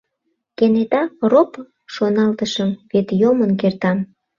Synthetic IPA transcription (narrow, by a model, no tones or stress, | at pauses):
kenet̪ɑrop | ʃonɑlt̪əʃəmβet̪jomənk̬ert̪ɑm